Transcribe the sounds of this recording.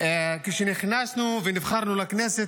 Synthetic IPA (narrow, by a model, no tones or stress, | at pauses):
keʃenɪχnasnuvenɪvχaɾˤnulaknɛset̪